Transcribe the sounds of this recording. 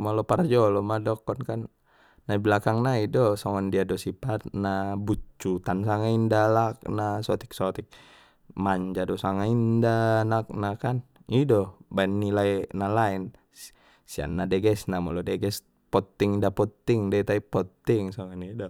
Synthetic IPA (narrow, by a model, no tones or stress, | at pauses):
mɔlɔpard͡ʒɔlɔmadɔkːɔnkanː | aiblakaŋnaidɔsɔŋɔndiadɔsipat̪̚nabut͡ʃːut̪ansaŋaindalak̚nasɔt̪i̥k̚sɔt̪ik̚ | maɲd͡ʒadɔsaŋaindanak̚nakan | idɔbaɛnːilajnalaɛn | sia̰nːadɛɡɛsnamɔlɔdɛɡɛs | pɔt̪ːiŋidapɔt̪ːiŋdait̪aipɔt̪ːiŋsɔŋɔnidɔ